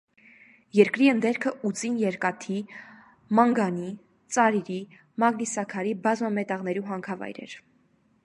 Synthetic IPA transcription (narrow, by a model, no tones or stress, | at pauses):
jɛɾkɾiənd̪ɛɾkʰəut͡sinjɛɾkɑt̪ʰi | mɑŋɡɑni | t͡sɑɾiɾi | mɑɡnisɑkʰɑɾibɑzmɑmɛt̪ɑʁnɛɾuɦɑŋkʰɑvɑ̰jɾɛ̰ɾ